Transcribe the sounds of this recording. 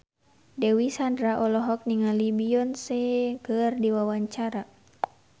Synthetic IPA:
dɛwisandɾaʔɔlɔɦɔk̚niŋalibiɔnsɛkərdiwawaɲt͡ʃaɾa

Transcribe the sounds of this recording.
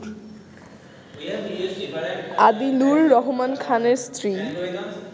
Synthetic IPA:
ad̪inulːɔɦumankʰaneɾst̪ʰɾi

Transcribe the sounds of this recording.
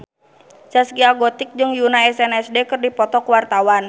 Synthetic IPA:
sasɡiaɡɔt̪ɪk̚d͡ʒɨŋjunaɛsɛnɛsdɛkɨrdipɔt̪ɔkuwart̪awan

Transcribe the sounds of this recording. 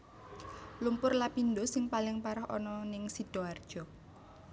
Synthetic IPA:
lumpʊrlapindosɪŋpalɪŋpaɾɔhɔ̰nɔnɪŋsid̥o̤ard̥ʒ̥ɔ̤

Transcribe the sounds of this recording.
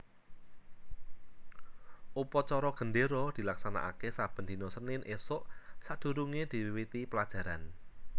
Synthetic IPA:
ʔupɔt͡ʃɔɾɔɡ̥ə̤nɖeɾɔd̪̥i̤laksana̰ʔa̰kesab̥ə̤nd̪̥inɔsənɪnʔesʊʔsad̪̥ṳɾuŋed̪̥i̤wiwit̪ipəlad̥ʒ̥ä̤ɾan

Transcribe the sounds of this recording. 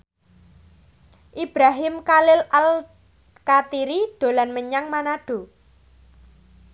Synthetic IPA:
ʔib̥ɾaɦɪmkalɪlal | kat̪iɾid̪̥o̤lanməɲaŋmanaɖ̥o̤

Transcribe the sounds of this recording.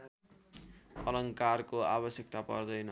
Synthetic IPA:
ʌlʌŋkarkoabʌsjʌk̚t̪apʌrd̪ʌjnʌ

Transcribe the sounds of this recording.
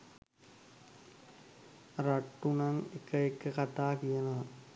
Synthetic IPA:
ɾɐʈːunɐŋekːɐekːəkɐʈ̪aːkijɐnaː

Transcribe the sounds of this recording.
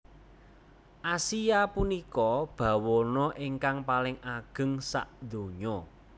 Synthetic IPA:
ʔasijapunikɔb̥ä̤wɔnɔʔiŋkaŋpalɪŋaɡ̥ə̤ŋsa̰ʔd̪̥o̤ɲɔ

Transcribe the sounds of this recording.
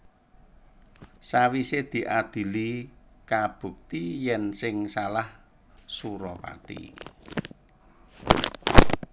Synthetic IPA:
sawised̪̥i̤ʔad̪̥i̤likab̥ṳk̚t̪ijɛnsɪŋsalah | suɾɔpa̰t̪ḭ

